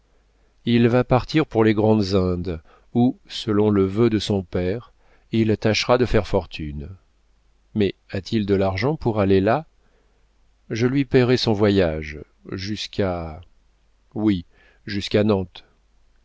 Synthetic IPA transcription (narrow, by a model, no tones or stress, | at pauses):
ilvapaʁt̪iʁpuʁleɡʁɑ̃d̪zɛ̃d̪ | usəlɔ̃ləvød̪əsɔ̃pɛʁ | ilt̪aʃʁad̪əfɛʁfɔʁt̪ʰyn | mɛat̪ʰild̪əlaʁʒɑ̃puʁalela | ʒəlɥipɛʁɛsɔ̃vwajaʒ | ʒyska | wi | ʒyskanɑ̃t̪